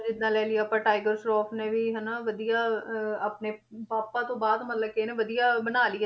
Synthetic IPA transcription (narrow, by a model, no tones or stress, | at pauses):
d͡ʒɪd̪ːãːlɛːlɪjaːpãːʈaːɪɡəɾsɾɔːpʰnẽːʋiːɦɛnaːʋəd̪ijaːəpneːpaːpãːt̪õːbaːd̪mət̪ləkeːnẽːʋəd̪ijaːbənaːliːɛː